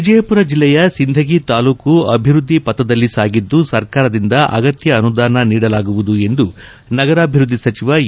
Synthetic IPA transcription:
ʋid͡ʒɐjɐpuɾɐd͡ʒilːɛjɐsind̪ʱɐɡit̪aːluːkuɐbʱiɾud̪ʱːipɐt̪ːɐd̪ɐlːisaːɡid̪ːusɐɾkaːɾɐd̪ind̪ɐʔɐ̰ɡɐt̪jɐːnud̪aːnɐniːɽɐlaːɡuʋud̪ue̞nd̪u | nɐɡɐɾaːbʱiɾud̪ʱːisɐt͡ʃiʋɐ

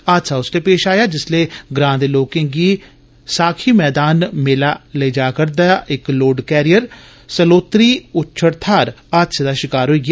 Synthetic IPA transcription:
aːt̪saːʊsleːpeːʃaːjaːd͡ʒɪsleːɡɾãːd̪eːloːkẽːɡiː | saːkʰiːmɛːd̪aːnmelaːleːd͡ʒaːkəɾd̪aːʔɪkloːɖkɛːɾɪjəɾ | səloːt̪ɾiːʊtːʃʰəɾt̪ʰaːɾ | aːt̪sʰaːd̪aːʃɪkaːɾɦoiːɡaː

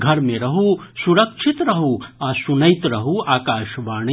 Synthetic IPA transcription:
ɡʱɐɾmeɾɐɦusuɾɐkʃʰit̪ɾɐɦuaːsunɐjt̪ɾɐɦuaːkaːʃʋaːɳi

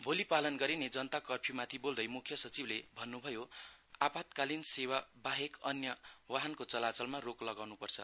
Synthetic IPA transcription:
bʱolipalʌnɡʌɾined͡zʌnt̪akʌrpʰimat̪ʰibold̪ʌjmukʰjʌsʌt͡siblebʱʌnːubʱʌjoapat̪kalinsewabaɦekʌnjʌwaɦʌnkot͡sʌlat͡sʌlmaroklʌɡawnupʌrt͡sʰʌ̰

